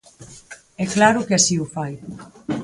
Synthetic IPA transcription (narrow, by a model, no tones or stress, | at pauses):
ɛklaɾʊkeasiʊfaj